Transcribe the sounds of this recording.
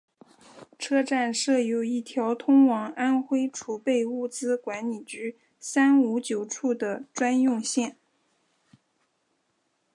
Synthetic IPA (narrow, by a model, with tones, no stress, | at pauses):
ʈ͡ʂʰɤ˥ʈ͡ʂa˥˧nʂɤ˥˩jo˨˩ʊi˥˩t̪ʰjɑ˧˥ʊt̪ʰʊ˥ŋwɑ˧˥ŋa˥nxwe˥ɪʈ͡ʂʰu˨˩pe˥˧ɪu˥˩t͡sɹ̩˥kwa˧˥nli˨˩t͡ɕy˧˥ | sa˥nu˧˥t͡ɕjo˨˩ʊʈ͡ʂʰu˥˩d̪ə˩ʈ͡ʂwa˥njʊ˥˧ŋɕjɛ˥˩n